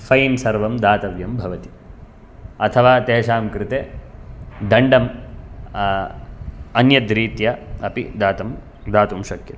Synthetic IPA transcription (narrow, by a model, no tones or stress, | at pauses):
fɐjnsɐɾʋɐmd̪aːt̪ɐʋjɐmbʱɐʋɐt̪i̥ | ɐt̪ʰɐʋaːt̪eːʃaːmkɾɪt̪eː | d̪ɐɳɖɐm | ɐnjɐd̪ɾiːt̪jɐɐpḭd̪aːt̪ɐm | d̪aːt̪umʃɐkjɐt̪